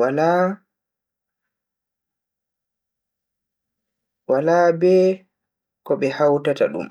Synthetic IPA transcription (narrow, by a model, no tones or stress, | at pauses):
ala | walaːbɛː | kɔɓɛhawtata̰ɗṵm